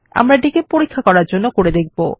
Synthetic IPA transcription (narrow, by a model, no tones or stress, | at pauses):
a̰mɾaɖikepoɾikʰːakɔɾaɾd͡ʑonːokoɾed̪ek̚ʰbo